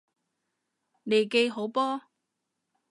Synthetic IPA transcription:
ne˨jke˧jɦo˨˥wpɔː˥

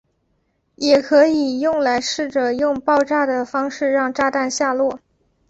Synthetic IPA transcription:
jɛ˨˩kʰɤ˧˥i˨˩jʊ˥˩ŋla˧˥ɪʂɻ̩˥˩ʈ͡ʂə˨˩jʊ˥˧ŋpɑ˥˧ʊʈ͡ʂa˥˩d̪ə˩fɑ˥ŋʂɻ̩˥˧ɻɑ˥˧ŋʈ͡ʂa˥t̪a˥˧nɕja˥˧lwɔ˥˩

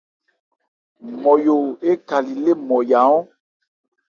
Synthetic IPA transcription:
mɔ˨jo˨e˦ka˨li˨le˦mɔ˨ja˨˦ɔ̃˦

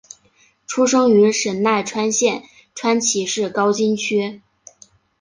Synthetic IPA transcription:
ʈ͡ʂʰu˥ʂɤ˥ŋy˧˥ʂə˨˩nna˥˩ɪʈ͡ʂʰwa˥nɕjɛ˥˩n | ʈ͡ʂʰwa˥nt͡ɕʰi˧˥ʂɻ̩˥˩kɑ˥ʊt͡ɕi˥nt͡ɕʰy˥

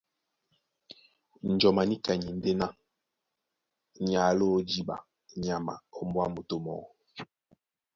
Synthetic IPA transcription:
n̩˨d͡ʒɔ˨ma˨ni˦ka˨ɲi˨n̩˦de˦na˦ | ɲ˨a˨˦lo˦d͡ʒi˦ɓa̰˨ | ɲa˨ma̰˨o˦mbwa˦mo˨to˦mɔ̰˨

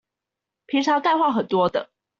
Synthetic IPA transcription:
pʰi˧˥ŋʈ͡ʂʰɑ˧˥ka˥˧xwa˥˩xə˨˩nt̪wɔ˥d̪ə̰˨

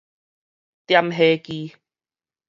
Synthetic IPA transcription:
t̪ja˧mɦeː˧kiː˧

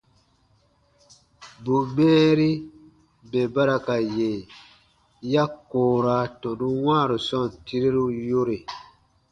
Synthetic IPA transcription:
bu˨mɛ̃ː˦ɾi˦ | be˨ba˦ɾa˨ka˨je˨ | ja˦koː˨ɾa˨˦tɔ˨du˦wãː˦˨ɾu˨sɔ˦˨n˨ti˦ɾi˦ɾu˦jo˦ɾe˨

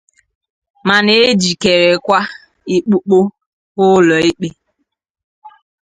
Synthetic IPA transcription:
ma˨ne˨e˦d͡ʒi˨ke˨ɾe˨kʷa˦ | i˦k͡pu˦k͡po˦ | ʊ˦lɔ˨i˦k͡pe˦

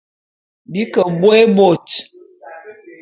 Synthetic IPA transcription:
bi˦kə˨bwe˦bo˨t

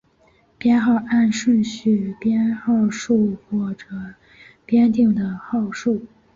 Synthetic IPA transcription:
pjɛ˥nxɑ˥˧ʊʔa˥˧nʂwə˥˧nɕy˥˩pjɛ˥nxɑ˥˧ʊʂu˥˧xwɔ˥˩ʈ͡ʂɤ˨˩˦ | pjɛ˥nt̪i˥˩ŋd̪ə˩xɑ˥˧ʊʂu˥˩

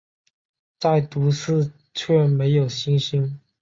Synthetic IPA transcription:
t͡sa˥˩ɪt̪u˧˥sɹ̩˥˧ | t͡ɕʰɥɛ˥˩me˧˥ɪjo˨˩ʊɕi˥nɕi˥ŋ

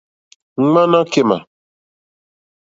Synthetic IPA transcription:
ŋ͡m̩˦ŋ͡mã˦nã˦ke˦ma̰˨

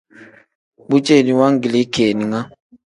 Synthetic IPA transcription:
bu˦t͡ʃe˦˨ni˨wa˦ŋ˦ɡi˨le˦kʰe˨ni˨ŋa˦

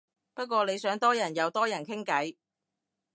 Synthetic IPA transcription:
pɐ˥t̚kʷɔː˧ne˨˧jsœː˨˥ŋt̪ɔː˥jɐ˨˩njɐ˨˧wt̪ɔː˥jɐ˨˩nkʰɪ˥ŋkɐ˨˥j

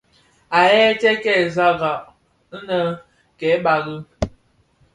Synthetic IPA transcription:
a˨jɛ˦tɛ˦kɛ˦˨za˦ɣa˨ | n̩˦nə˨ | kɛ˨˦ba˨ɣə˦

